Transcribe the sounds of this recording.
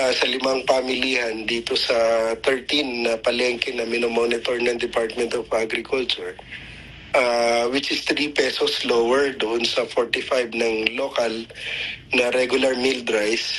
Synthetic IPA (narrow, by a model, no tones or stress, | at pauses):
asɐlɪmaŋpamɪlihɐnd̪iːt̪osɐt̪ɛɹt̪inːɐpɐlɛŋkɛnɐmɪnomonɪt̪oɹnɐŋd̪ɪpaɹt̪̚mɛnt̪ɔvʔaɡɾɪkʊlt͡ʃʊɹ | ʔawɪt͡ʃɪst̪ɾipɛsoslowɛɹd̪ʊʔonsɐfoɹt̪ɪfajb̚nɐŋlokal | nɐɾɛɡjʊlɐɹmɪld̪ɾajs